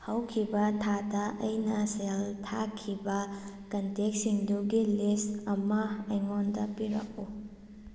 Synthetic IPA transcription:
hɐwkʰibɐtʰadɐʔɐjnɐseltʰakʰibɐkɐntek̚siŋduɡilisɐmɐːjŋondɐpiɾɐ̰k̚u

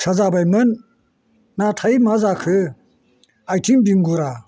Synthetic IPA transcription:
sʰɐzabajmɯnː | atʰajmazakʰɯ | ajtʰimbiŋɡuɾa

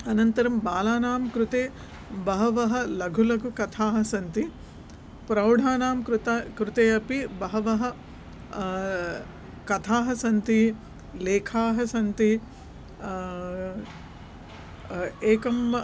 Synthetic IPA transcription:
ɐnɐnt̪ɐɾɐmbaːlaːnaːmkɾut̪eː | bɐɦɐʋɐɦɐ̆lɐɡʱulɐɡʱukɐt̪ʰaːɦɐsɐnt̪i | pɾɐwɖʱaːnaːmkɾut̪ɐkɾut̪eːɐpibɐɦɐʋɐɦɐ̆ | kɐt̪ʰaːɦɐsɐnt̪i | leːkʰaːɦɐsɐnt̪i | eːkɐmɐ

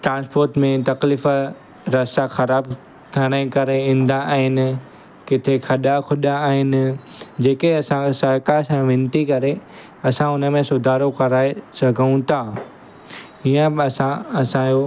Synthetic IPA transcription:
ʈɾãːnspoːɾʈmẽt̪ɐkliːf | ɾɐsaxɐɾaːb | t̪ʰɐɽ̃aĩkɐɾeĩːn̆d̪ãaːɦɪnɪ̆ | kɪt̪ʰexʰɐɗakʰʊɗãːɦɪnɪ̆ | d͡ʑeːkeɐsãsɐɾkasãʋɪ̃nt̪ikɐɾe | ɐsãʊnə̆mẽsʊd̪ʱaːɾokɐɾaːesɐɡʱəũt̪ʰaː | ijə̃ɐsãɐsãjo

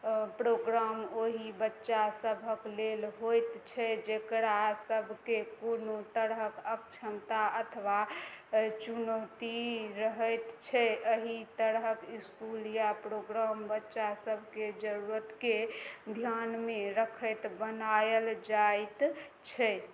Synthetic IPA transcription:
pɾoɡɾamoɦibətːʃasəbʱəklelɦojt̪t͡ʃʰɛd͡ʒekɾasəbʱkekonot̪əɾɦəkəkt͡ʃʰəmt̪aət̪ʰʋa | t͡ʃunot̪iɾəɦəjt̪t͡ʃʰɛʔəɦit̪əɾɦəkiskuljapɾoɡɾambətːʃasəbʱked͡ʒəɾuɾət̪ked̪ʱjanmeɾəkʰəjt̪bənajəld͡ʒajt̪ | t͡ʃʰɛ

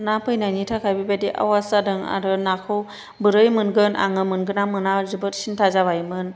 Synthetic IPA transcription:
napʰɯjnanitʰakʰajbibadiʔa̰wasadɯŋa̰ɾɯnakʰɯw | bɯɾɯjmɯnɡɯnʔa̰ŋɯmɯnɡɯnamɯnazɯbɯt̚sintʰazaβajmɯn

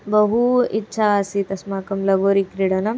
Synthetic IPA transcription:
bɐɦuitːɕʰaːsit̪ɐsmaːkɐmlɐɡoːɾikɾiɽɐnɐm

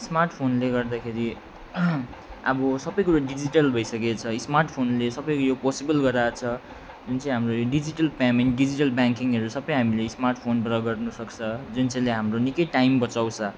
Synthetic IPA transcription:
smarʈpʰonleɡʌrd̪akʰeɾi | ʌ̰bʌsʌbʌjkuɾaɖid͡ziʈʌlbʱʌjsʌket͡sʰʌismarʈpʰonlesʌbʌjkojoposibʌlɡʌɾaːt͡sʰʌ | d͡zunt͡sʌ̃j̃ɦamrojoɖid͡ziʈʌlpamenʈɖid͡ziʈʌlbaŋkiŋɦʌɾusʌbʌjɦamilesmarʈpʰonbrʌɡʌrnuʌsʌkt͡sʰʌd͡zunt͡sʌ̃leɦamronikʌjʈaimbʌt͡sawt͡sʰʌ

